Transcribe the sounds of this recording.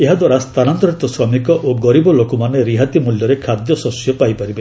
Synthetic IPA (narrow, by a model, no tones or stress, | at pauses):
eɦad̪waɾast̪ʰanant̪ɔɾit̪ɔsɾɔmikɔʔoɡɔɾibɔlokɔmaneɾiɦat̪imuljɔɾekʰad̪jɔsɔsjɔpajpaɾibe